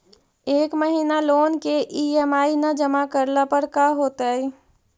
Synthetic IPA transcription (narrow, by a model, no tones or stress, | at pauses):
eːkməɦiːnaloːnkeʔiɛːmaːinad͡ʒəmakəɾlapəɾkaːɦoːt̪aɛː